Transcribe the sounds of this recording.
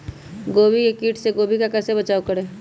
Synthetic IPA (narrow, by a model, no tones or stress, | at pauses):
ɡoːbikekiːʈʰseɡoːbʱikakɛːsebɐt͡ʃaːokəɾeː